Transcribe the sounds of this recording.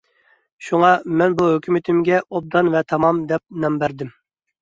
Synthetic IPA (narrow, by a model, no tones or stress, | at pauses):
ʃuŋɑmɛnbuhøkʲymɪt̪ʰɪmɡʲɛʔob̚d̪ɑnvɛt̪ʰɑmɑmd̪ɛp̚nɛmbæɾd̪ɪm